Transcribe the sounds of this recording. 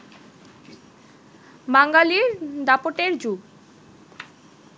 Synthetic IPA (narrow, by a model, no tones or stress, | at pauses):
baŋɡaliɾd̪apoʈeɾd͡ʑu